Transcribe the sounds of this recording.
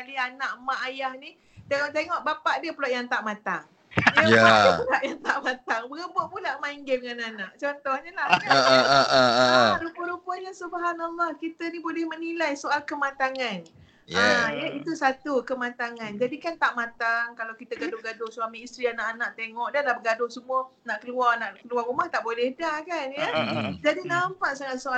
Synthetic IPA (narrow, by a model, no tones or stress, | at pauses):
kalianãʔmaʔajahni | t̪eŋɔʔt̪̬eŋɔʔbapaʔdiəpulaʔjaŋt̪aʔmãt̪aŋ | əjaaəpulaʔjaŋt̪aʔmãt̪aŋbəɡəboʔpulaʔmaiŋɡɛdŋananaʔt͡ʃɔnt̪ɔhɲəlahə | ɾupəɾupəɲasubɦanalːɔhkit̪ənibolɛhmənilajsoalkəmãt̪aŋan | ajait̪usat̪ukəmãt̪aŋand͡ʒadikant̪aʔmãt̪aŋkalawkit̪əɡadoɡadʊsuamiist̪ɾianaʔanaʔt̪eŋɔʔdalahbəɡadohsəmuanaʔkəluarnaʔkəluarumaht̪aʔbolɛhdakanjad͡ʒadinampaʔsaŋat̪̚soa